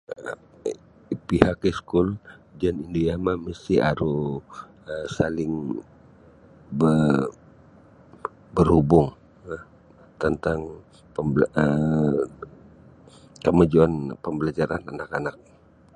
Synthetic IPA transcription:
pihakeskuld͡ʒanindojamaməst̪iʔa̰ɾu | əsalɪŋ | bə | bərhubʊŋ | t̪ənt̪aŋ | pəmbə | kəmad͡ʒuanpəmbəlad͡ʒaɾananakanak̚

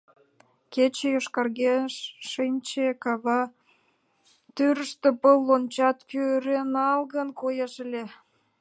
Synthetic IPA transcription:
ket͡ɕejoʃkɑrɣeʃːinʲt͡ɕekɑβɑ | t̪yɾəʃt̪ĕpəlːont͡ɕɑt̪køɾenɑlɣənkojɑʃəlʲe

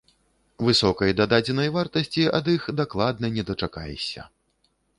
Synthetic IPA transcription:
vɨsɔkɐjd̪ad̪ad͡zʲɛnɐjvart̪ɐsʲt͡sʲiɐd̪ixd̪aklˠad̪̚nɐnʲɛd̪ɐt͡ʂaka̰jɛ̰sʲɐ̰

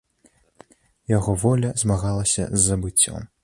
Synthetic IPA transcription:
jaɣɔvɔlʲɐzmaɣalˠɐsʲɐ̰zːɐbɨt͡sʲːɔ̰m

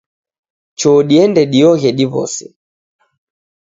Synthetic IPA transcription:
t͡ʃɔɗiɛndɛɗiɔɣɛɗiβɔ̰sɛ

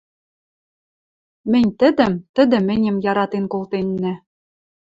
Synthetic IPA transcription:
mɘ̆nʲt̪ɘ̆d̪ɘ̆mt̪ɘ̆d̪ɘ̆mɘ̆nʲɘ̆mjɑɾɑt̪enkolˠt̪enːɘ̆

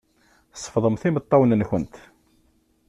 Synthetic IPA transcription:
θsˤːə̥fðˤəmθimət̪ˤːɑwnənçənt̪

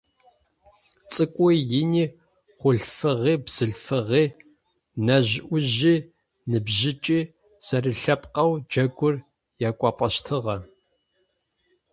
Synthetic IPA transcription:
t͡sʼɨkʷʼɔjɪniː | χʷʊɮfɨʁiːbz̥ɨɮfɨʁiː | nɐʑʔʷʊʑiː | nɨbʑɪt͡ʃʼiː | sɐrɨɬɐpqɐwd͡ʒɐɡʷʊr | jaːkʷʼɑqʷʼɐʃtʰɨʁɐ

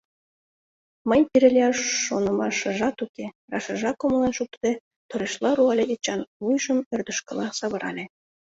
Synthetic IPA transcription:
mə̆nʲp̪iɾɘ̆lʲeɑʃːonɤ̆mɑʃɤ̆ʒɑt̪ukʲerɑʃɤ̆ʒɑkomɤ̆lˠɑnʃuk̚t̪ĕ | t̪oɾeʃlˠɑɾuɑlʲeʔet͡ɕɑnvujʒɤ̆mø̆rd̪ə̆ʃkɤ̆lˠɑsɑβɤ̆ɾɑ̰lʲe

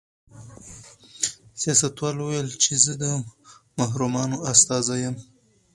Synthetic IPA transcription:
sjɑsat̪wɑlwuwjəlt͡ʃezəd̪əmaɦɾumɑnoast̪ɑzajəm

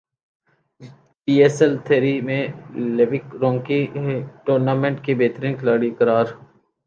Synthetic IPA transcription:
piːeːsɛlt̪ʰeːɾimẽleːʋɪkɾõːŋkiʈoːɾnaːmẽːɳʈkibeːt̪ɾĩːnklaːɽikəɾaːɾ

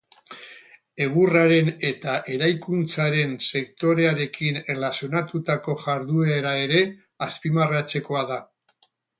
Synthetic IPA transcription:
e̞ɣ̞uraɾe̞ne̞t̪aʔe̞ɾajkunt͡saɾe̞nse̞kt̪o̞ɾe̞aɾe̞kinelasjo̞nat̪ut̪ako̞ʝaɾðueɾae̞ɾe̞ | aspimarat͡se̞ko̞aða

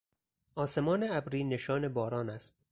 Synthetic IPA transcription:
ʔɒːse̞mɒːneæbɾiːne̞ʃɒːne̞bɒːɾɒːnæst̪̚

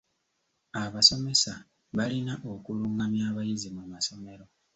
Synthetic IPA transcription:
aβaso̞me̞sa | βalinaʔo̞kuluŋɡamjaːβajizimumaso̞me̞ɾo̞

